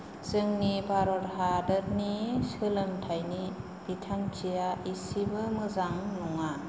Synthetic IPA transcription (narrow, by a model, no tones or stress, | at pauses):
zɯŋnibaɾɔɾɦadəɾnisɯlɯmtʰajni | b̥itʰaŋt͡ʃijaisibɯmɯzaŋnɔŋa